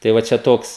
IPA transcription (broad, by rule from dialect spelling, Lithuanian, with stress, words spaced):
tɐɪ ˈʋɐ ˈt͡ʃʲɛ ˈtoːks